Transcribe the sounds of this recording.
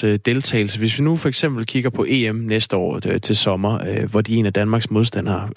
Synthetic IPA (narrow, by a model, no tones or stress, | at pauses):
ød̥e̝lt͡sʰɛ̰ɪl̩səʋe̝sʋinufɒeɡ̥sem̰b̥l̩kʰiɡ̥ɐpʰɒ̽ʔe̝ːemnesd̥əɒ̰ːt͡sʰe̝lsɒ̽mɐʋɒd̥ie̝̰ːnæd̥ænmɑ̈ːɡ̥smo̝ð̞ˠsd̥æn̰hɑ̈